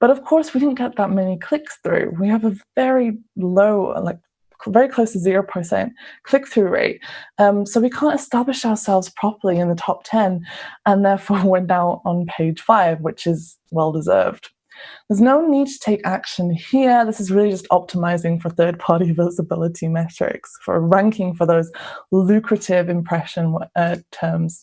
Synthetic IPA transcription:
b̥ʌɾʌv̥kʰɔɹswidɪdⁿn̩ɡ̥ɛt̪̚ðət̚mɛnikʰl̥ɪksθɹʉ̰wiəvəvɛɹiloʊ̰laɪk̚ | vɛɹikʰl̥oʊsəzɪɹoʊpʰə˞sɛ̰̃nkʰl̥ɪk̚θɹʉɹḛɪt̚ʌ̃msoʊwikʰæ̃ntɨstablɨʃaʊə˞sɛlˠvz̥pʰɹ̥ɑpə˞lˠiɨ̃nðətʰɑp̚tʰɛ̃nə̃nðɛɹfɔɹwɛ̃ntaʊtn̩pʰeɪ̥ʒ̥faɪvwɪt͡ʃɪz | wɛlˠdɪzɜ̰˞vd̥ | ðə˞znoʊnid̚tʰə̥tʰeɪkakʃə̃nhiəðɪsɨzɹɪlˠid͡ʒʌstʰɒp̚tʰɪmaɪzɪ̃ŋfə˞θɜ˞d̚pʰɑɹɾivɪzəbɪlˠətʰimɛt͡ʃɹ̥ɪ̰ksfə̰˞ɹãŋkʰɪ̃ŋfə˞ðoʊzlʉkʰɹɨtɪvɨ̃mpʰɹ̥ɛʃə̃ntʰɜ˞mz̥

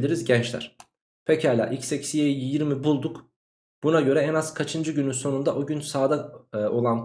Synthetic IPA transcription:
lʲiɾizɟɛnt͡ʃlʲæ̰ɾ̥ | pʰecʰalʲa̰ːʔicsecsijejjiɾmibulˠd̪uk | b̥unaɟø̞ɾɛɛnaz̥kʰat͡ʃʰɯnd͡ʒɯɟynynso̞nund̪aʔoɟynsaːd̪ao̞lˠan

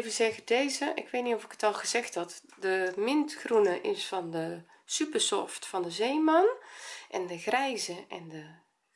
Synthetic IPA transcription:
vəzɛɣədeːzəʔɪ̰kʋeːtniɔfɪ̥kə̥tɔlˠɣəzɛxtdɔtdəmɪntxrunəʔɪsfɔndə | sypəsɔftfɔndəzeːmanʔɛndəɣrɛjzəɛndə

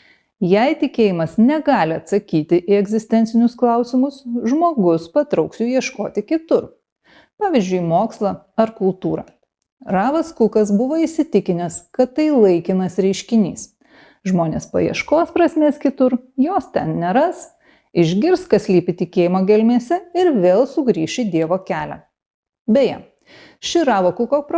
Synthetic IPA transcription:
jɛɪt̪ʲɪkʲeːjɪmɐsnʲɛɡɑːlʲɪɐt̪sɐkʲiːt̪ʲɪʔɪɛɡzʲɪsʲt̪ʲɛnt̪sʲɪnʲʊsklˠɐʊsʲɪmʊsʒmoːɡʊspɐt̪ɾɐʊksʲuːjiɛʃkoːt̪ʲɪkʲɪt̪ʊɾ | pɑːʋʲiːzʲd͡ʒʲʊɪmoːkslˠɐ | ɐɾkʊlˠt̪uːɾɐ̰ | ɾɑːʋɐskʊkɐs̬bʊʋoːɪsʲɪt̪ʲɪkʲɪnʲɛskɐt̪ːɐɪlˠɐɪkʲɪnɐsɾʲɛɪʃʲkʲɪnʲiːs | ʒmoːnʲḛːspɐ̰jiɛ̰ʃkoːspɾɐsʲmʲɛskʲɪt̪ʊɾjoːst̪ʲɛnnʲɛɾɐs | ɪʒʲɡʲɪɾskɐsʲlʲiːpʲɪt̪ʲɪkʲeːjɪmoːɡʲɛlʲmʲeːsʲɛɪɾʋʲeːlˠsʊɡɾʲiːʃʲɪd̪ʲiɛʋoːkʲæːlʲæ̰ː | bʲɛjɛ̰ | ʃʲɪɾɑːʋoːkʊkopɾ

